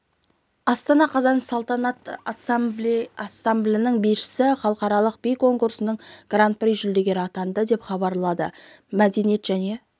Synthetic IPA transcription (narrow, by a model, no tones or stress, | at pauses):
ɑst̪ɑnɑqʰɑzɑnsɑlˠt̪ɑnɑt̪bɑsːamblʲɪnɪŋbiʃɪsɪχɑlˠəqɑɾɑlˠəq̚bijko̞ŋkuɾsənəɴɡ̥rant̪̚pɪɾijʒʏld̪e̞ɡʲe̞ɾɪɑt̪ɑnd̪əd̪e̞pχɑbɑɾlˠɑd̪ə̰ | mæd̪e̞nije̞t̪ʒ̥æne̞